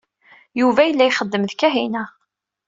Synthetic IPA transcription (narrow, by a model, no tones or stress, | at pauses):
juvæjəlːæjχəd̪ːəmðkæɦinæ